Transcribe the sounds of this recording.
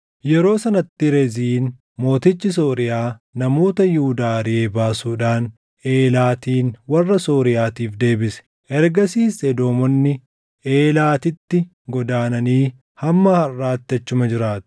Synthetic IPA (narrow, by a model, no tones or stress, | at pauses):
jɛɾo̞ːsɐnɐt̪ːɪɾɛziːn | mo̞ːt̪ɪt͡ʃːɪs̬o̞ːɾɪjaːnɐmo̞ːt̪ɐjuːd̪aːɾɪe̞ːbaːsuːᶑaːn | e̞ːlaːt̪iːnwɐrːɐsoːɾɪjaːt̪iːfd̪e̞ːbɪsɛ̥ | ʔɛɾɡɐsiːsɛd̪o̞ːmɔnːɪ | ʔe̞ːlaːt̪ɪt̪ːɪ | ɡɔd̪aːnɐniː | hɐmːɐhɐrːaːt̪ːɪɐt͡ʃːʊmɐd͡ʒɪɾaːt̪ʊ̥